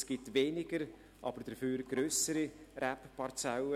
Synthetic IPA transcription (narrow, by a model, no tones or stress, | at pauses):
sɡ̥ɪtveːnɪɡəɾ | ʔɑ̰bəɾd̥əfyːɾɡ̥ɾøːsəɾirɛppʰɑɾt͡sawə